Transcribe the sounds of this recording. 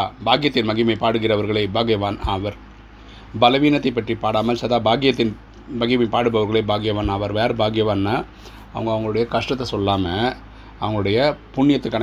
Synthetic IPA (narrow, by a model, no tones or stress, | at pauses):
baːɡɪjɐt̪ːɪnmɐɣɪmɐɪpaːɽɯɣɪrɐʋɐɾɣɐɭɐɪbaːɣɪjʋaːnaːʋɐɾ | bɐlɐʋiːnɐt̪ːɐɪpːɐʈripaːɽaːmɐlsɐðaːbaːɡɪjɐt̪ːɪn | mɐɣɪmɐɪpaːɽɯbɐʋɐɾɣɐɭɐɪbaːɡɪjɐʋaːnaːʋɐɾʋaːɾbaːɡɪjɐʋaːnːaː | ɐ̰ʋɐŋɡɐɐʋɐŋɡɐɭɯɽɐjɐkɐʂʈɐt̪ːɐsɔlːaːmɐ | ɐʋɐŋɡɐɭɯɽɐjɐpʊɳːɪjɐt̪ːɯkːɐɳ